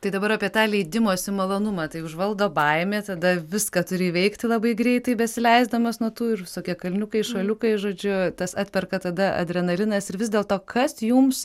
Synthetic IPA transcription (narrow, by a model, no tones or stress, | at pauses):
t̪ɐɪd̪ɐbɐɾɑːpʲiɛt̪ɑːlʲɛɪd̪ʲɪmoːsʲɪmɐlˠoːnʊmɑt̪ɐɪʊʒʋɐlˠd̪oːbɐɪmʲeːt̪ɐd̪ɐʋʲɪskɑt̪ʊɾʲɪʋʲɛɪkt̪ʲɪlˠɐbɐɪɡɾʲɛɪt̪ɐɪbʲɛsʲɪlʲɛɪzd̪ɐmɐsnuɔt̪uːɪrʋʲɪsoːkʲiɛkɐlʲnʲʊkɐɪʃʋɐlʲʊkɐɪʒoːd͡ʒʲʊt̪ɐsɑːt̪ʲpʲɛrkɐt̪ɐd̪ɐɐ̰d̪ʲɾʲɛnɐlʲɪnɐsɪɾʋʲɪzʲd̪ʲeːlˠt̪oːkɐsjums